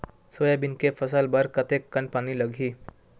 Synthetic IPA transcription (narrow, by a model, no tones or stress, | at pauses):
sojabinkefəsalbəɾkət̪ekːənpaniləɡʱiː